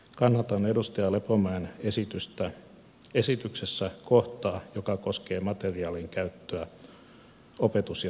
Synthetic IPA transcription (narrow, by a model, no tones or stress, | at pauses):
kɑnːɑt̪ɑnedust̪ɑjɑlepomæenesit̪yst̪æ | esit̪yksesːækoht̪ɑːjokɑkoske̞ːmɑt̪eriɑːliŋkæyt̪ːøæ | opet̪usj